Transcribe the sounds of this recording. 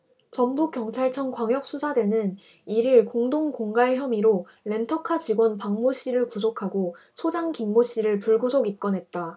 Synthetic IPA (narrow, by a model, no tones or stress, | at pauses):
t͡ɕʌnbukjʌŋt͡ɕʰaɭt͡ɕʰʌŋkwaŋjʌk̚s͈ʰusʰadwe̞nɯn | iɾiɭkoŋdoŋkoŋɡaɭçjʌmiɾo | ɭe̞ntʰʌkʰad͡ʑiɡwʌnpaŋmoɕ͈iɾɯɭkusʰokʰaɡo | sʰod͡ʑaŋkiŋmoɕ͈iɾɯɭpuɭɡusʰoɡik͈ʌnɦe̞t̚t͈a